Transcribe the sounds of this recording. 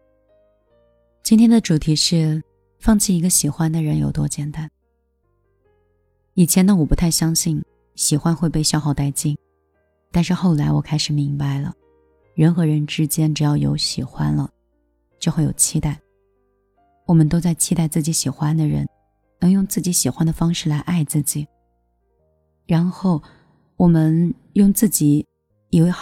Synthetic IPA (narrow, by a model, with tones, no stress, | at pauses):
t͡ɕi˥nt̪ʰjɛ˥nd̪ə˨ʈ͡ʂu˨˩t̪ʰi˧˥ʂɻ̩˥˧ | fɑ˥˧ŋt͡ɕʰi˥˩i˧˥ɡə˧ɕi˨˩xwa˥nd̪ə˨ɻə˧˥njo˨˩ʊt̪wɔ˥t͡ɕjɛ˨˩nt̪a˥˩˦n | i˨˩t͡ɕʰjɛ˧˥nd̪ə˧wɔ˨˩pu˧˥t̪ʰa˥˩ɪɕjɑ˥ŋɕi˥˩n | ɕi˨˩xwa˥nxwe˥˧ɪpe˥˧ɪɕjɑ˥˧ʊxɑ˥˧ʊt̪a˥˧ɪt͡ɕi˥˩n | t̪a˥˧nʂɻ̩˥˧xo˥˩ʊla˧˥ɪwɔ˨˩kʰa˥ɪʂɻ̩˨˩mi˧˥ŋpa˧ɪlə̰˩ | ɻə˧˥nxɤ˧˥ɻə˧˥nʈ͡ʂɻ̩˥t͡ɕjɛ˥nʈ͡ʂɻ̩˨˩jɑ˥˩ʊjo̰˧˥ʊɕi˨˩xwa˥nlə˨ | t͡ɕjo˥˧ʊxwe˥˩ɪjo̰˨˩ʊt͡ɕʰi˥t̪a˥˩ɪ | wɔ˨˩mə˦nt̪o˥ʊt͡sa˥˩ɪt͡ɕʰi˥t̪a˥˧ɪt͡sɹ̩˥˩t͡ɕi˧˥ɕi˨˩xwa˥nd̪ə˨ɻə̰˧˥n | nɤ˧˥ŋjʊ˥˧ŋt͡sɹ̩˥˩t͡ɕi˧˥ɕi˨˩xwa˥nd̪ə˨fɑ˥ŋʂɻ̩˥˩la˧˥ɪʔa˥˧ɪt͡sɹ̩˥˩t͡ɕi˨˩˦ | ɻa˧˥nxo˥˩ʊ | wɔ˨˩mə˧n | jʊ˥˧ŋt͡sɹ̩˥˩t͡ɕi˨˩˦ | i˨˩we˥˩ɪ